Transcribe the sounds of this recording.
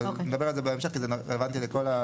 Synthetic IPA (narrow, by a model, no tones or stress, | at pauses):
ned̪abealzebeemʃeχkizenʁelevant̪ilekola